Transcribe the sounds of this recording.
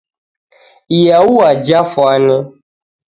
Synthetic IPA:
ijawuad͡ʒafɔanə

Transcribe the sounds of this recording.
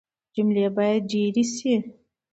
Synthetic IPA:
d͡ʒumlebɑjad̪̚ɖiɾisi

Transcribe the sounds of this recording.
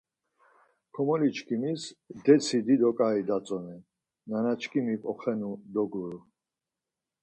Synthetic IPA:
kʰɔmɔlit͡ʃʰkʰʼimisd̪ɛt͡sʰid̪id̪ɔkʼaid̪at͡sʼɔnɛ | nanat͡ʃʰkʼimipʼɔχɛnud̪ɔɡuɾu

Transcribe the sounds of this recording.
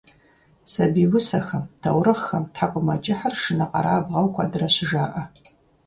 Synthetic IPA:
sɐbiwʷʊsɐxɐmtʰɐwɾɨχxɐmtħakʷʼʊmɐt͡ʃʼɪħarʂɨnɐqʼɑ̰ɾaːbʁɐwkʷʰadɨrɐɕɪʒaːʔɐ

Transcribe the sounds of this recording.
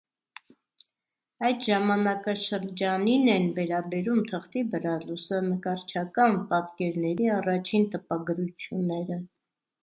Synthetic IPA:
ɑjd̪ʒɑmɑnɑkɑʃəɾd͡ʒɑninɛnvɛɾɑbɛɾumt̪ʰəχt̪ibəɾɑlusənəkɑɾt͡ʃʰɑkɑnpɑt̪kɛɾnɛɾiɑrɑt͡ʃʰint̪əpɑɡəɾut͡sʰjunːɛɾə

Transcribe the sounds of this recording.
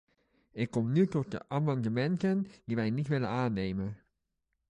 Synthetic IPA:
ɪkːɔmnytɔt̚də̰ʔamɑndəmɛntəndiʋɛjnitʋɪlə̰naːnejmə

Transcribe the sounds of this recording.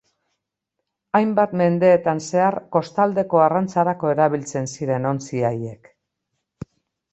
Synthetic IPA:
ajmbat̪me̞nd̪e̞ːt̪anse̞aɾko̞st̪ald̪e̞ko̞arant͡saɾako̞e̞ɾaβilt͡se̞nsiɾe̞no̞nt͡siaje̞k

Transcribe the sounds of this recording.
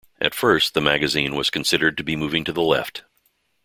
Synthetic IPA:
ʔɨ̰tfɜ˞st̪̚ðəmæɡɨzĩnwʌz̥kʰɨ̃n̩sɪɾə˞d̚tɨbimuvɪ̃ŋtʰɨðəlɛ̰ft

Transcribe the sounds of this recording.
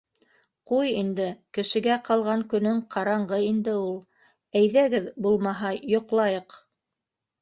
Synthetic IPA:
qujind̪ɘkɘ̆ʃɘ̆ɡæqɑlˠʁɑŋkɵ̆nɵŋqʰɑɾɑɴɢɤind̪ɘulˠ | æjðæɡɘðbulˠmɑɦɑjŏqlˠɑjɤq

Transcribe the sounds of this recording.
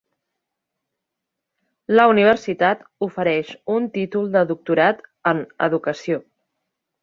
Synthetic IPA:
ləuniβ̞əɾsit̪at̪ufəɾɛʃunt̪it̪ulˠd̪əðuk̚t̪uɾat̪ənə̰ðukəsio

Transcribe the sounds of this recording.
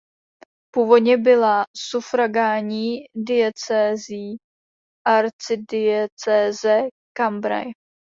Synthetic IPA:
puvodɲɛbɪlasufɾaɡaːɲiːdɪɛt͡sɛːziː | ʔaɾt͡sɪdɪɛt͡sɛːzɛ | kambɾa̰j

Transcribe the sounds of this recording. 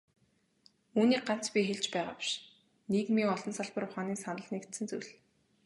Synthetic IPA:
uːniːk̚ɢan̥t͡spʲixeɮt͡ɕpæːʁa̰ːpi̥ʃ | niːkmiːŋɔɮɞ̆nsaɮpə̆rʊχaːniːsanə̆ɮneːkt̪sɘ̆nt͡sujɮ

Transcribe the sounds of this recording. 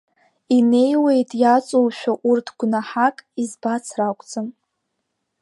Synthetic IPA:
ine̞jwe̞jtʼjat͡sʼowʃᶣaʔurtʰɡʷnaħakʼizbat͡sʰrakʷʼt͡sʼɨn

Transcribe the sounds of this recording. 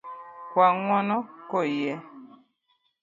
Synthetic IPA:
kwaŋwɔnɔkɔjɛ

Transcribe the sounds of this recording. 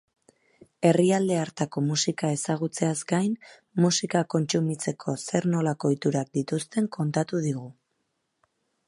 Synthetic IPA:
e̞riald̪e̞aɾt̪ako̞musikae̞saɣ̞ut͡se̞azɡajn | musikako̞nt͡sumit͡se̞kʰo̞se̞ɾno̞lako̞it̪uɾak̚d̪it̪ust̪e̞ŋkʰo̞nt̪at̪uðiɣu

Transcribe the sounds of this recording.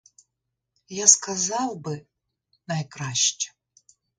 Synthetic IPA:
jaskazawbɨ | najkɾaɕt͡ʃʲɛ̥

